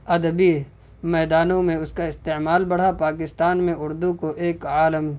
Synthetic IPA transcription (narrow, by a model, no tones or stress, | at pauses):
ɐd̪əbi | mɛːd̪aːnõmẽʊskaɪst̪emaːlbɐɽ̤apaːkɪst̪aːnmẽʊɾd̪ukoʔeːkaːləm